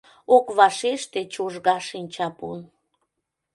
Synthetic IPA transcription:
okβɑʃeʃt̪et͡ɕoʒɣɑʃinʲt͡ɕɑpṵn

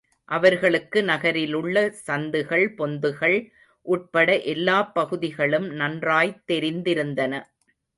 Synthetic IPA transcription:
ʔɐʋɐɾɣɐɭɯkːɯnɐɣɐɾɪlɯɭːɐsɐnd̪ɯɣɐɭpɔnd̪ɯɣɐɭ | ʔuːʈ̚pɐɽɐʔɛlːaːpːɐɣɯðɪɣɐɭɯmnɐndraːjt̪ːɛɾɪnd̪ɪɾɯnd̪ɐnɐ

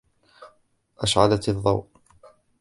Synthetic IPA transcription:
ʔaʃʕad̪at̪ɨðˤːɑwʔ

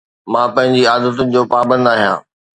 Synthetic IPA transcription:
mãːpɐ̃ɦɪ̃ɲd͡ʑiaːd̪ət̪ʊnɪ̆d͡ʑoːpaːbə̃nd̪aːɦijã̰ː

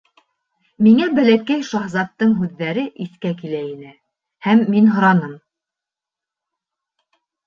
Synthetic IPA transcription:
miŋæbælækæjʃɑɦzɑt̪ːɤɴɦʉðːæɾɘʔiθkæk̬ilæinɘ | hæmːinɦŏɾɑnɤm

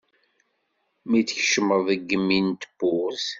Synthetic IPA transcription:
mit͡sçʃəməððəɡːəmːint̪əb̥ːʊθ

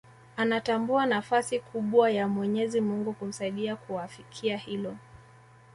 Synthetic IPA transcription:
anatambuanafasikʰuɓwajamwɛɲɛzimuŋɡukum̩saiɗiakuafikʰiahilɔ

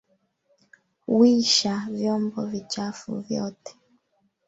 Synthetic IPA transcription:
wiʃavjɔmbɔvit͡ʃafṵvjɔ̰tɛ̥

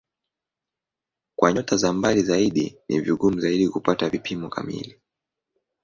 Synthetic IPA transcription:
kwaɲɔtazambalizaiɗinḭviɡum̩zaiɗikupatavipʰimɔka̰mḭli

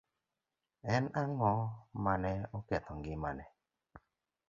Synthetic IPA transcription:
ɛnaŋɔmanɛɔkɛt̪ɔŋɡɪma̰nɛ

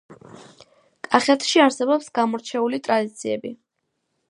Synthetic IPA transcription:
kʼaχɛt̪ʰʃiaɾsɛbɔpsɡamɔɾt͡ʃʰɛulit̪ʼɾad̪it̪sʰiɛbi

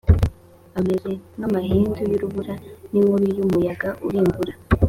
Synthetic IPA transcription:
ameɾenamahiːndojuɾuβuɾaniŋuɾijumujaɡaʔṵɾiɱvuɾa

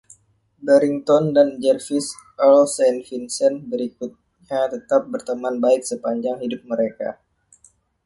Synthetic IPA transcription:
bəɾiŋt̪ɔndand͡ʒɛrfis | ʔɔlsɛnfinsənbəɾikut̪̚ɲat̪ət̪ap̚bərt̪əmanbaɪk̚səpaɲd͡ʒaŋhidʊp̚məɾeka̰

